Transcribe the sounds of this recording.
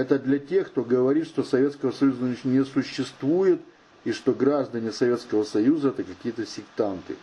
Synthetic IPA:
ɛt̪əd̪lʲɐtʲe̞xkt̪o̞ɡəvɐɾʲit̪ʂt̪o̞sɐvʲe̞t̪skəvəsɐjuzənʲnʲɪsʊɕːɪst̪vujɪt̪ | iʂt̪o̞ɡɾaʐd̪ənʲɪsɐvʲe̞t̪skəvəsɐjuzəɛt̪əkɐkʲijət̪əsʲɪkt̪ant̪ɨ̰

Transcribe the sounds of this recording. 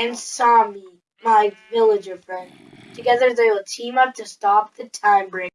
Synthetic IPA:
nsɑmi | maɪvɪlˠɨd͡ʒə˞fɹɛ̃n | tʰɨɡɛðə˞ðeətʰĩmʌp̚tʰɨstɑp̚ðɨtʰãɪ̃mbɹẽ

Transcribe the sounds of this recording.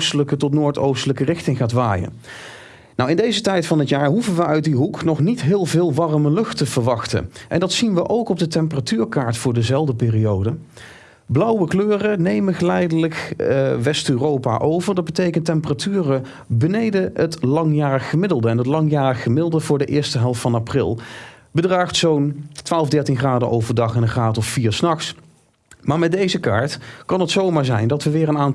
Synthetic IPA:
stələkətɔtnoːɹtowstələkərɪxtɪŋχaːtʋa̰ːjə̰ | nɔwɪndejzətɛjtfɑnɦətjaːɹɦuvənʋəœɥt̚diɦuknɔχnitɦɪːlˠvɪːlˠʋɑrməlɵχtəv̥əɹʋɑχtə̰ʔɛ̰ndɑtsinʋəʔowkɔb̚dətɛmp̬əratyːɹkaːɹtfʊːɹdəzɛlˠdəpɪːrijowdə | blʌwəkløːrənejməχəlɛjdələkʋɛstøːrowpa̰ʔowvəɹdɑd̚bətejkəntɛmpəratyːrə | bənejdəətlɑŋjaːrəχːəmɪdəlˠdəɛnɦətlɑŋjaːrəχəmɪdəlˠdəvʊːɹdəʔɪːɹstəɦɛlˠftfɑnaprɪ̰lˠbədraːχtsowntʋaːlˠvdɛɹtinχraːdəʔowvəɹdɑχɛnəχraːtɔffiːɹsnɑχs | maːɹmɛt̚dejzəkaːɹtkɑnɦətsowmaːɹzɛjndɑtʋəʋɪːrənaːn

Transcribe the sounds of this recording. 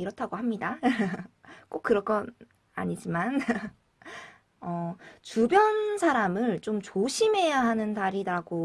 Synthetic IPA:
iɾʌtʰaɡoɦamɲida | k͈ok͈ɯɾʌk͈ʌn | a̰ɲid͡ʑiman | ʌtubjʌnsʰaɾamɯɭt͡ɕomt͡ɕoɕʰime̞jaɦanɯntaɾidaɡo

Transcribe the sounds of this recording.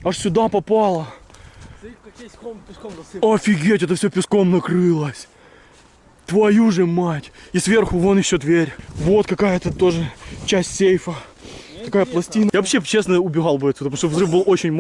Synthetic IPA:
ɐʂsʲʊd̪apɐpalˠə | ɐfʲɪɡʲetʲɛt̪əfsʲɵpʲɪsko̞mnɐkɾɨlˠəsʲ | t̪vɐjuʐɨmatʲisvʲe̞rxʊvonɪɕʲod̪vʲeɾʲvo̞t̪kɐkajət̪ət̪o̞ʐɨt͡ɕæsʲtʲsʲejfə | t̪ɐkajəplˠɐsʲtʲinjavɐpɕːet͡ɕe̞snəʊbʲɪɣɑlˠvɛt̪ːʲət̪muʂt̪ovzrɨfbɨlˠo̞t͡ɕɪnʲm

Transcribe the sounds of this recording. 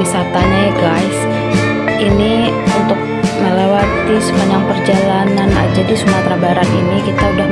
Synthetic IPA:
isat̪aɲaɡajs | ini | unt̪ʊk̚məlewat̪isəmaɲaŋpərd͡ʒalanana̰d͡ʒadisumat̪ɾabaɾat̪inikit̪audah

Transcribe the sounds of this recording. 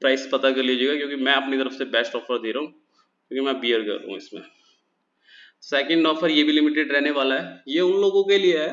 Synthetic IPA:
pɾaːɪspɐt̪akɐɾliad͡ʒeːɡakjõːkimɛ̃ɐpnit̪ɐɾəfsebɛsʈɔːfəɾd̪eːɾɐɦũː | kjõːkimɛ̃biːəɾkɐ̰ɾt̪ɐ̰ɦṵ̃ɪsmḛ̃ | sɛːkɛ̃ɳɖɔːfʰəɾjeːbʱilɪmɪʈeɖɾɛɦneʋaːlaɦɛjeʊnloːɡõkelieɦɛː

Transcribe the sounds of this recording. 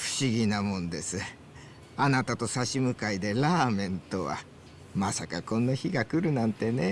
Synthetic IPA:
ɸɯ̟̥ɕiɡʲinamõ̞nd̪e̞sɨ | anat̪at̪o̞saɕimɯ̟kaid̪e̞ɾaːmẽ̞nt̪o̞βa̰ | masakakõ̞nːaçiɡakɯ̟ɾɯ̟nãnt̪e̞ne̞

